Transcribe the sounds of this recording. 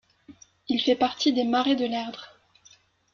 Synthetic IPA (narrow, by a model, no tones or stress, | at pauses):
ilfɛpaʁt̪id̪emaʁed̪əlɛʁd̪ʁ